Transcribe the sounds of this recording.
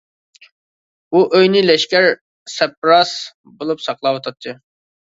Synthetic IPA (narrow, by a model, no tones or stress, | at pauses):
uʔøjnɪlɛʃkʲæɾ | sɛp̚ɾɑs | bolˠupsɑqlˠɑwot̪ʰɑt̪ʰːɨ